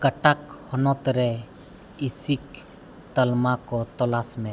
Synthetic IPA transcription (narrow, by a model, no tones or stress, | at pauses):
kaʈakhɔnɔt̪ɾɛ | isik | t̪əlmakɔt̪ɔlasmɛ̃